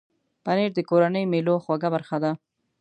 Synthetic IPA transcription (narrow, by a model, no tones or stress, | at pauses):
paneɾd̪əkoɾanəjmeloxwaɡabaɾxad̪a